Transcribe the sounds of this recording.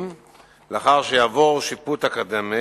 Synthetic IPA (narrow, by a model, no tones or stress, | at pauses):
m | leaχaʁʃejaːvo̞ʁʃiput̪hakad̪ame